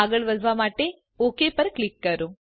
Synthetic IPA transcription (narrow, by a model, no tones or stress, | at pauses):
aːɡɐɭʋɐzʋaːmaːʈe | oːkeːpɐɾklikːɐɾu